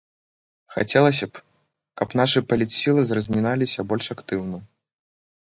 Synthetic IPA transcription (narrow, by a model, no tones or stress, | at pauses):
xa̰t͡sʲɛlˠɐsʲɐp | kɐpn̪aʂɨpɐlʲit̪sʲilˠɨzrɐzʲmʲinalʲisʲɐbɔlʲʂakt̪ɨwnɐ